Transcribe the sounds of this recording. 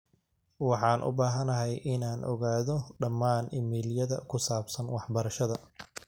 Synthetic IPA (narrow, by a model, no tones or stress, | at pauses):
wɑħɑːnʔʊ̰baːɦɐnɐɦɛjʔɪnaːnʔɔ̰ɣaːðɔɖɐmːaːnɪmiːljɐðɐkʰʊsaːbsɐnwɑħbɐɾɐʃɐðɐ